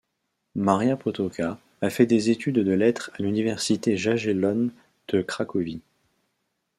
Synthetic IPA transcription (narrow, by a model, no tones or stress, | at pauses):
maʁjapɔt̪ɔkʰaː | fɛd̪ezet̪ʰyd̪d̪əlɛt̪χalynivɛʁsit̪eʒaʒelɔn | d̪̥əkχakɔvi